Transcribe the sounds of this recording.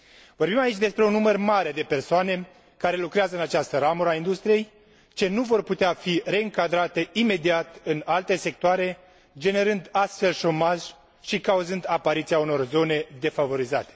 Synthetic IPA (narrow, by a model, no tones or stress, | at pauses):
vo̞rbimait͡ʃʲd̪e̞spɾe̞unːumərmaɾe̞d̪e̞pe̞rsoane̞ | kaɾe̞lukɾeazəɨnat͡ʃast̪əɾamuɾəaind̪ust̪ɾije̞j | t͡ʃe̞nuvo̞rput̪eafire̞ɨŋkad̪ɾat̪e̞ime̞d̪iat̪ɨnalt̪e̞se̞k̚t̪oaɾe̞ | d͡ʒe̞ne̞ɾɨnd̪ast̪fe̞lʃo̞maʒ | ʃikauzɨnd̪apaɾit̪siauno̞rzo̞ne̞d̪e̞favo̞ɾizat̪e̥